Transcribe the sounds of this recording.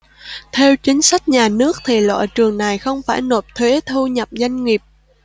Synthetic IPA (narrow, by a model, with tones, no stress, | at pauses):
t̪ʰe˧wt͡ɕï˨˦ŋ̟sa˦˥jk̟̚ɲaː˨˩nɨ˦˥ək̚t̪ʰi˨˩lwa̰ː˧˨jt͡ɕɨ˨˩əŋna˨˩jxə˧wŋ͡mfaː˧˩jno˨˩p̚t̪ʰwe˨˦t̪ʰu˧ɲə˨˩p̚za˧jŋ̟ŋi˨˩əp̚